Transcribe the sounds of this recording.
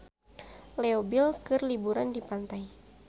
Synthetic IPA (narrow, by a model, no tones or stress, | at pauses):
lɛobilkɨrlibuɾandipant̪aj